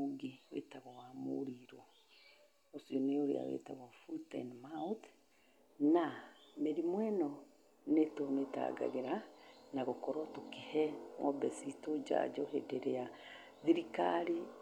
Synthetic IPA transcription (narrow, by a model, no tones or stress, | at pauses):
uɡiwḛtaɣɔwamo̰ɾiɾo | osioneoɾḛa̰wḛta̰ɣafutɛ̰nmawt | nameɾimwɛnɔ | netometa̰ɡa̰ɣeɾanaɣokɔɾɔtokehɛwɔ̰bɛsitod͡ʒa̰d͡ʒɔhedeɾea | ðiɾikaɾi